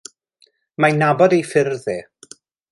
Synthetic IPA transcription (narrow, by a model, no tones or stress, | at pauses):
manabɔdejfɪrðɛ